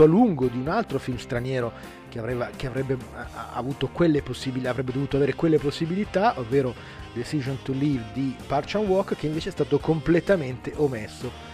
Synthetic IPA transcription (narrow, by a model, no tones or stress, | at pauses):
oaluŋɡod̪iunalt̪ɾofilmst̪ɾanjɛːɾo | keavɾɛːvakeavɾɛbːea̰vuːt̪okwelːeposːibilavɾɛbːed̪ovuːt̪oaveːɾekwelːeposːibilit̪aʔovːeːɾo | d̪esiʒont̪ulivd̪ipart͡ʃanwɔkːkeiɱveːt͡ʃeɛst̪aːt̪okomplet̪ament̪eʔomesːo